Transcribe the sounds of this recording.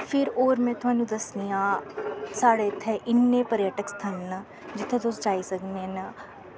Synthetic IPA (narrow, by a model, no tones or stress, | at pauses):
fɪɾoːɾmẽt̪ʰɐ̃nud̪ɐsnijãːsaːɽet̪ʰeʔɪnːẽpɐɾjəʈəkst̪ʰɐnːɐ | d͡ʒɪt̪ʰːẽd̪oːsd͡ʒaːisɐknenɐ